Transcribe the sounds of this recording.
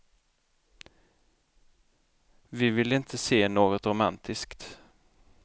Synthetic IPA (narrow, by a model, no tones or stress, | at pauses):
vɪvɪlɪnt̪ʰəseːnoːɡɔt̪ɾʊmant̪ʰɪskt̪